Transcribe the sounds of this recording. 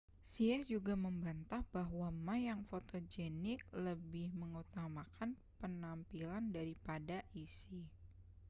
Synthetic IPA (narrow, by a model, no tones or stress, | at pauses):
siahd͡ʒuɡaməmbant̪ahb̥aɦwamajaŋfot̪od͡ʒɛnɪk̚ləbɪhməŋut̪amakan | pənampilandaɾipadaʔisi